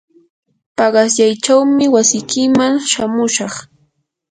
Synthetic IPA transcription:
pɑɢɑsjajt͡ʃawmɪwasɪkɪmaŋʃamʊʃɑχ

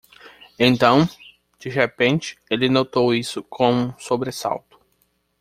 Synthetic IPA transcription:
ẽnt̪ɐ̃w̃ | d͡ʒiɦepẽnt͡ʃɪ̥elɪnot̪owisʊkʰõw̃ũsobɾesa̰wt̪ʊ̥

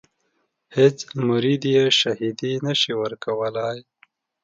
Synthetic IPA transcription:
het͡smuɾid̪jeʃaɦid̪inəʃiwəɾkɐwəlaj

